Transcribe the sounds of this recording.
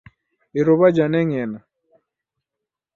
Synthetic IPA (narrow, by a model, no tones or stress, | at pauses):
iɾoβad͡ʒanɛŋɛna